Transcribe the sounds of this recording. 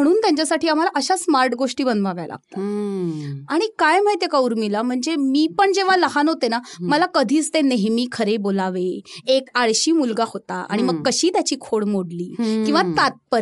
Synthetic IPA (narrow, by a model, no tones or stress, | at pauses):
m̤əɽ̃uːnt̪jãɲt͡ɕjasaʈiːam̤alaʔəɕasmaɾʈɡoʂʈiːbənd̪maʋja̰la̰ɡ̚t̪a | aɽ̃ikajməjt̪ekauɾmilam̤əɳd͡zemiːpəɳd͡ʑeʋ̤aləɦanɦot̪enaməlakəd̪ʱiːt͡st̪eneɦmiːkʰəɾebolaʋeekaɭɕiːmulɡahot̪aa̰ɽ̃iməɡkːəɕiːt̪jat͡ɕiːkʰoɽmoɽliːkĩw̃ʋat̪at̪̚pəɾ